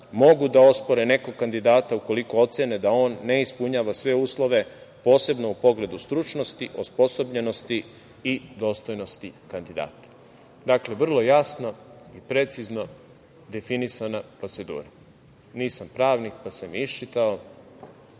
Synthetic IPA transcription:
mo̞ɡud̪ao̞spo̞ɾene̞koɡ̚kand̪id̪aːt̪auko̞liko̞o̞t̪sened̪ao̞ːnːe̞ispuɲaːʋasʋe̞uːslˠo̞ʋe̞po̞ːse̞bno̞upo̞ɡle̞d̪ust̪ɾut͡ʃno̞st̪iʔospo̞so̞bʎe̞no̞st̪iː | d̪o̞ːst̪o̞jno̞st̪ikand̪id̪a̰ːt̪ḁ | d̪akle̞ʋr̩lˠo̞jasno̞ipɾe̞t̪sizno̞ | d̪e̞finisanapɾo̞t̪se̞d̪ṵːɾa | niːsampɾaːʋnik̚pasemiiʃt͡ʃit̪ao

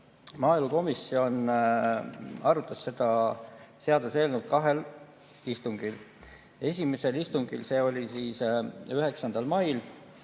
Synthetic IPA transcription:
mɑːeluko̞misːio̞n | ɑɾut̪ːˑɑsːe̞d̪̥ɑse̞ɑd̪use̞ːlnut̪̚kɑɦe̞l | ist̪uŋɡ̥il | e̞sʲime̞se̞list̪uŋɡ̥ilse̞ːo̞lʲisiːsyɦe̞ksɑnd̪̥ɑlmɑjl

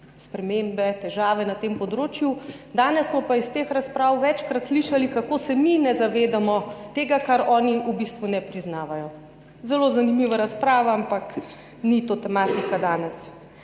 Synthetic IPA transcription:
spɾɛmembɛt̪ɛʒaːʋɛnat̪empɔd̪ɾoːt͡ʃjud̪aːnɛsːmɔpaist̪exɾaspɾaːwʋɛt͡ʃkɾat̪sliʃalikakosɛminɛzaʋeːd̪amɔt̪eːɡakaɾɔːniubist̪ʋunɛpɾiznaːʋajɔ | zɛlozanimiːʋaɾaspɾaːʋaampak | nit̪ot̪ɛmaːt̪ikad̪aːnɛs

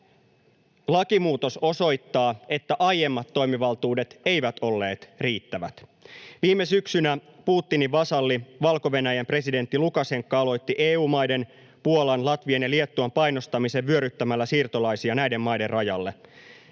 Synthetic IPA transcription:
lɑkimuːt̪o̞so̞so̞jt̪ːɑːet̪ːæʔɑjje̞mːɑt̪ːo̞jmiʋɑlt̪uːde̞t̪e̞jʋæt̪o̞lːe̞ːt̪riːt̪ːæʋæ̰t̪ʋiːmːesyksynæpuːt̪ːiniʋɑsɑlːiʋɑlko̞ʋe̞næjæmpre̞side̞nt̪ːilukɑse̞ŋkːɑɑlo̞jt̪ːiʔeːuːmɑjde̞n | puolɑnlɑt̪ʋiɑnjɑlie̞t̪ːuɑmpɑjno̞st̪ɑmise̞ʋʋyø̞ɾyt̪ːæmælːæsiːrt̪olɑjsiɑnæjde̞mːɑjde̞rrɑjɑlːe̞

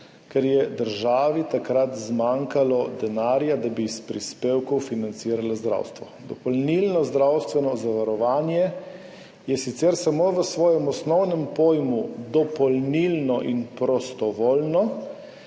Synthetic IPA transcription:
kɛɾjɛd̪əɾʒaːʋit̪akɾat̪zmaːŋkalɔd̪ɛnaːɾjad̪abispɾispeːwkɔwfinant̪siːɾalazd̪ɾa̰ːwst̪ʋɔd̪ɔpɔlnilnɔzd̪ɾawst̪ʋɛnɔzaʋaɾɔʋaːnjɛ | jɛsit̪sɛɾsamoːʋəsʋɔːjɛmɔsnɔwnɛmpoːjmud̪ɔpɔlnilnɔʔinpɾɔst̪ɔʋɔlnɔ

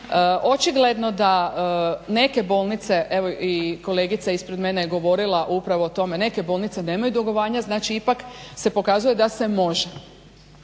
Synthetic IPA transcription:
əʔo̞t͡ʃiɡle̞d̪no̞d̪a | ne̞ke̞boːlˠnit̪se̞ʔeʋo̞iko̞le̞ːɡit̪saispɾed̪me̞nejɡo̞ʋo̞ɾilˠaʔupɾaʋo̞ːt̪o̞me̞ne̞ke̞bo̞ːlˠnit̪se̞ne̞ːmajud̪oɡoʋaːɲaznaːt͡ʃiipakse̞po̞kazuje̞d̪ase̞mo̞ʒe

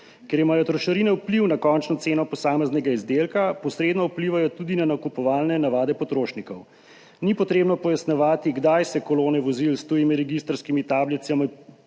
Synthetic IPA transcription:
keɾimaːjɔt̪ɾɔʃɐɾinɛwpliwnakɔnt͡ʃnɔt̪seːnɔpɔsaːmɛznɛɡaizd̪eːlkapɔsɾeːd̪nɔwpliʋajɔt̪ud̪inanakupɔʋaːlnɛnaʋaːd̪ɛpɔt̪ɾoːʃnikɔw | nipɔt̪ɾeːbnɔpɔjasnɛʋaːt̪iɡd̪ajsɛkɔloːnɛʋɔzilst̪ujimiɾɛɡist̪ɾskimit̪aːbljɛt̪sjami

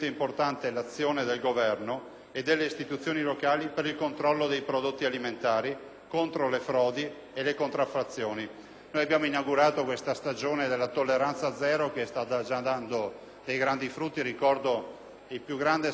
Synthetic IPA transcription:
t̪oimport̪ant̪elat̪sːjoːned̪elɡovɛrno | ed̪ːelːeist̪it̪ut̪sːjoːnilokaːlipeɾilkont̪ɾɔlːod̪ejpɾod̪ot̪ːialiment̪aːɾi | kont̪ɾolefɾɔːd̪i | elekont̪ɾafːat̪sːjoːni | noːjabjaːmoinawɡuɾaːt̪okwest̪ast̪ad͡ʒoːned̪elːat̪olːeɾant̪sad̪zɛːɾokest̪at̪ad͡ʒad̪and̪o | d̪ejɡɾand̪ifɾut̪ːiɾikɔrd̪o | ilpjuɡɾand̪e

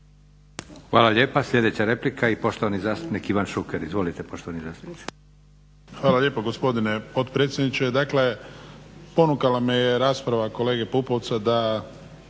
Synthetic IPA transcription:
xʋaːlaʎʲeːpaslʎʲe̞d̪et͡ɕaɾe̞plikʰaipo̞ʃt̪oʋanizaːst̪upnikiʋanʃukeɾizʋo̞lit̪epo̞ʃt̪oʋanizaːst̪u̥pnii̥ | xʋaːlaʎe̞ːpoɡospo̞d̪inepo̞t̪pɾet̪sjed̪nit͡ʃed̪akle̞ | po̞nukalamijeɾaːspɾaʋako̞le̞ːɡe̞pupo̞ʋt̪sad̪a

